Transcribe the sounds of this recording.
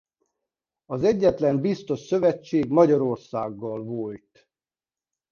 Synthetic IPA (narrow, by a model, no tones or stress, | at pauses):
ɒzɛɟːɛt̪lɛmbist̪o̞ʃsø̞vɛt͡ʃːeːɡmɒɟɒɾo̞rsaːɡːɒlvojt̪